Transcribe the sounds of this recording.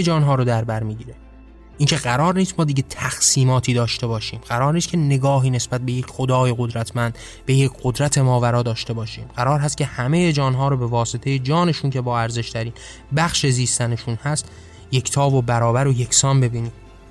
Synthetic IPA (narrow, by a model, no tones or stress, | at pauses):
ed͡ʒɒːnɦɒːɾod̪æɾbæɾmiːɟiːɾe | ʔiːcʰe̞ɢæɾɒːɾniːst̪mɒːd̪iːɟet̪ʰæxsiːmɒːt̪ʰiːd̪ɒːʃt̪e̞bɒːʃiːmɢæɾɒːɾniːst̪̚cʰe̞ne̞ɡɒːɦiːnesbæt̪̚be̞jecʰχod̪ɒːjeɣo̞d̪ɾæt̪ʰmænd̪ | be̞jecʰɢ̥o̞d̪ɾæt̪ʰemɒːvæɾɒːd̪ɒːʃt̪e̞bɒːʃḭːmɢæɾɒːɾɦæst̪̚cʰe̞hæme̞jed͡ʒɒːnɦɒːɾobe̞vɒːse̞t̪ʰe̞je̞d͡ʒɒːne̞ʃuːncʰe̞bɒːæɾze̞ʃt̪ʰæɾiːn | bæxʃe̞ziːst̪æne̞ʃuːnhæst̪ | je̞cʰt̪ʰɒːvobæɾɒːbæɾoje̞kʰsɒːnbe̞biːniːm